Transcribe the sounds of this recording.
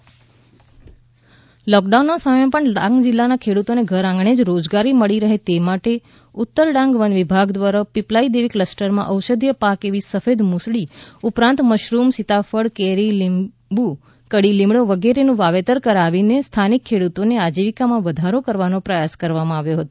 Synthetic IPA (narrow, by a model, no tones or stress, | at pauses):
lɔkɖaunmãsəməẽpəɳɖãŋɡd͡ʒɪlːanakʰeɽut̪oneɡʱəɾãŋɡɳ̃ed͡ʒɾod͡ʒɡaɾiməɭiɾəɦet̪emaʈe | ʊt̪ːəɾɖãŋɡʋənʋibʱaɡd̪ʋaɾapiplaid̪eʋikləsʈəɾmã̰ʔəwʃəd̪ʱjəpakeʋisəfed̪musɭiupɾãnt̪məʃɾumsit̪afəɽkeɾil | bu | kəɽilĩmbɽoʋəɡeɾenũʋaʋet̪əɾkəɾaʋinest̪ʰanikʰːeɽut̪onead͡ʒiʋikamãʋəd̪ʱaɾokəɾʋanopɾəjaskəɾʋamãaʋjoɦət̪o